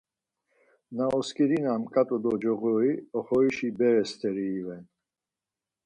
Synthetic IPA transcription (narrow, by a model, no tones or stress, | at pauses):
naɔskʼiɾinamkʼat̪ʼɔd̪ɔd͡ʒɔɣɔiɔχɔiʃibɛɾɛst̪ʰʼɛɾiːvɛn